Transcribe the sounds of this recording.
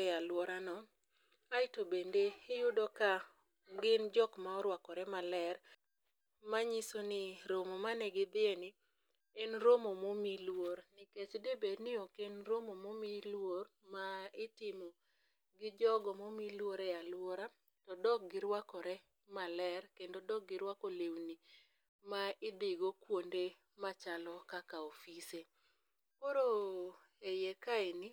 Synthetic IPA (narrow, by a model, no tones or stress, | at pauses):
alwɔɾanɔ | aɪtobendeɪjʊdɔka | ɡɪnd͡ʒɔkmaɔɾwakɔɾɛmalɛɾ | maɲisonɪɾomomanɛɡɪd̪ɪenɪ | enɾomomomilwoɾnɪket͡ʃdebednɪokenɾomomomilwor | maɪtɪmɔ | ɡɪd͡ʒɔɡɔmomilwoɾɛalwoɾa | tɔdɔk̚ɡɪɾwakɔɾɛ | malɛrkendodɔk̚ɡɪɾwakolewni | maɪd̪ɪɡokwonde | mat͡ʃalɔkakaofise | koɾo | ejekaenɪ